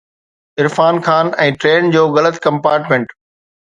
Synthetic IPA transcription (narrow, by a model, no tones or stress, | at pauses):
ɪɾfaːnkʰaːnɛ̃ːʈɾeːnd͡ʑoːɣɐlət̪kɐ̃mpaːɾʈmẽːɳʈ